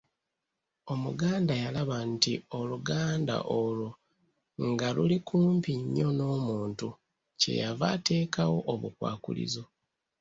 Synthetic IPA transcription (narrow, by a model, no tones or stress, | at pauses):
o̞muɡaːndajalaβantio̞luɡaːnda̰ʔolo | ŋɡalulikʰuːmpiɲːo̞no̞ːmuːntu | ce̞̰javate̞ːkawo̞ʔoβukwa̰ːkṵlḭzo̞